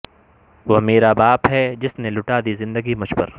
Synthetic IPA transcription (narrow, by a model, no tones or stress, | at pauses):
ʋomeːɾabaːpɦɛd͡ʒɪsnelʊʈaːd̪izɪ̃nd̪əɡimʊʃbə̰ɾ